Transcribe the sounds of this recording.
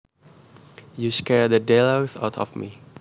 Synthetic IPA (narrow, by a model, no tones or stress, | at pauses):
juskɛɹdədelosa̰ʊtʰɔ̰fmi